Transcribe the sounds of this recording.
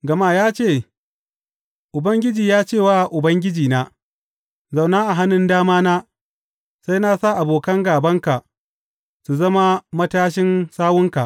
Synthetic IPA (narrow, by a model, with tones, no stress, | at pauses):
ɡɐ˨maː˦jaː˦t͡ʃeː˦˨ | ʔʊ˨bɐ˦ŋɡʲɪ˦d͡ʒiː˨jaː˦t͡ʃeː˦˨waː˦ʔʊ˨bɐ˦ŋɡʲɪ˦d͡ʒiː˨naː˦ | za˨wnaː˦ʔa˨ɦa˦nɪ˨ndaː˦maː˦naː˦ | sa˦jna˦sa˦˨ʔa˨boː˨kɐ˦ŋɡaː˨bɐ˦ŋka˨ʔ | su˨zɐ˦ma˦mɐ˦taː˦ʃ̬ɪ˦nsaː˦wʊ˦ŋka̰˨ʔ